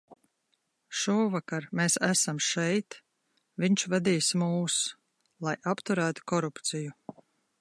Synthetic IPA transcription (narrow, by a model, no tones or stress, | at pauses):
ʃuːvakaɾmeːsæsamʃɛjt̪ | viɲt͡ʃvad̪iːsmuːs | lˠajapt̪uɾæːt̪u̥kɔɾupt̪siju